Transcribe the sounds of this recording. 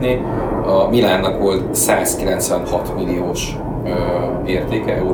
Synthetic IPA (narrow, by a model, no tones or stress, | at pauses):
ni | ɒmilaːrnɒkʋo̞lt̪saːskilɛnt̪sʋɛnhɒt̪milioːʃ | ø | eːrt̪eːkɛʔɛu